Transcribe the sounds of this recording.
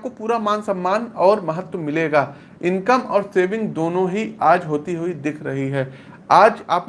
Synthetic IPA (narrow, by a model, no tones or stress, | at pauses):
p̚kopuːɾamaːnsɐ̃mːaːnɔːɾmɐɦət̪wəmɪleːɡaː | ɪ̃nkəmɔ̰ːɾseːʋɪ̃ŋɡd̪oːnõɦiaːd͡ʒɦoːt̪iɦuid̪ɪkʰɾɐɦiɦɛː | aːd͡ʒa̰ːp